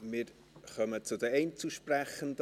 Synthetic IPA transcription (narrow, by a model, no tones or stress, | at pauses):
mɪːɾ | χœmət͡sʊdəɛɪnt͡suʃprɛχənd